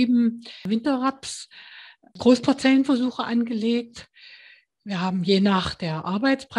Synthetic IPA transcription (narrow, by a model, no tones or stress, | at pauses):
iːbm̩vɪntɐʁaps | ɡ̥ʁoːspʰaɐt͡sɛlənfɛɐzuːxəʔanɡəleːk̚t | viːɐhaːbm̩jeːnaːχd̥eːɐʔaɐbaɪt͡spʁ̥